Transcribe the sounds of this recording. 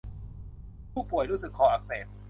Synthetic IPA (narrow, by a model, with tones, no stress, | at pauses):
pʰuː˥˩k̚pu˨˩əjɾuː˦˥˩sɯ˨˩kʰːɔː˨˩˦ʔa˨˩k̚seː˨˩t̪̚